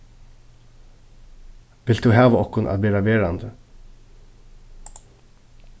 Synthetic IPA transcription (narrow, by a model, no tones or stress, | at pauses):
ʋɪld̪d̪ʉːɦɑːʋəɔhkʊnʔa̰ːʋeːɾaʋeːɹand̪ə